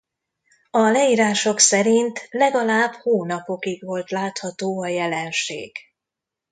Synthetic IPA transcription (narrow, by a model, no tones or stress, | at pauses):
ɒlɛjiːɾaːʃo̞ksɛɾint̪lɛɡɒlaːbhoːnɒpo̞kiɡʋo̞lt̪laːt̪hɒt̪oːɒjɛlɛnʃḛːɡ̥